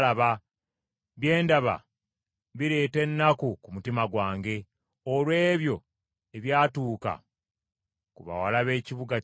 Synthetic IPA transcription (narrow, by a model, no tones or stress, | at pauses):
laβa | βje̞ːndaβa̰ | βiɾe̞ːte̞nːakukumutimaɡwaːŋɡe̞ | olwe̞ːβjo̞ | eβjaːtuːka̰ | kuβa̰walaβe̞ːciβuɡa